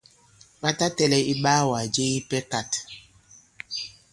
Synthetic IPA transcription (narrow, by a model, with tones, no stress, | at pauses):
ɓa˦ta˦tɛ˦lɛ˦i˦ɓaː˦wa˨d͡ʒe˦ji˦pɛ˦ka˨t